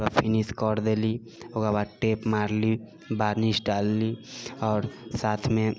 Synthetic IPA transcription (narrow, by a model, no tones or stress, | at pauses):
apʰiniskɔɾd̪eli | okabaʈepmaɾli | baɾnisɖalːiɔːɾsat̪ʰme